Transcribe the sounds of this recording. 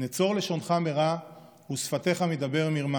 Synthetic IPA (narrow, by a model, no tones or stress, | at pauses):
net͡so̞ʁle̞ʃo̞nχame̞ʁa | husfat̪e̞χamed̪abe̞ʁmiʁma